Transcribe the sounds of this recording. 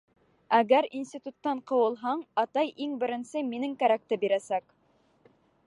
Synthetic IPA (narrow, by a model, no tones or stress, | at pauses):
æɣæɾinsʲt̪ʲit̪ut̪ːɑɴqɤ̆wɤ̆lˠɦɑɴɑt̪ɑjʔiŋbɘ̆ɾɘ̆nsɘminɘŋkæɾæk̚t̪ɘbiɾæsæk